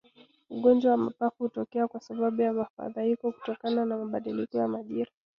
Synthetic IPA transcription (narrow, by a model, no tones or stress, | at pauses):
uɠɔnd͡ʒwawamapafuhutɔkɛakwasaɓaɓujamafa̰ðaikɔku̥tɔkananamaɓaɗilikɔjamaʄiɾa